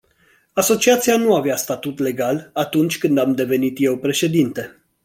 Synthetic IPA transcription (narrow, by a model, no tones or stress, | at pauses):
aso̞t͡ʃiat̪sianuaveast̪at̪ut̪le̞ɡalat̪unt͡ʃʲkɨnd̪amd̪e̞ve̞nit̪je̞wpɾe̞ʃe̞d̪int̪e̞